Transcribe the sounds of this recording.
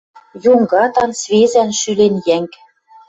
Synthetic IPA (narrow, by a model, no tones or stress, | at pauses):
juŋɡɑt̪ɑnsβezænʃylenjæŋk